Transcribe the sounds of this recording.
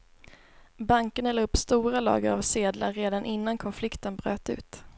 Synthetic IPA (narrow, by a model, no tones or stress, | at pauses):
baŋkənɛlɵpːst̪uːɾalɑ̰ːɡəɾa̰vseːd̪la̰ɾeːd̪anʔɪnːankʰɔnflɪkt̪ənbɾø̰ːt̪ʉ̟̰ːt̪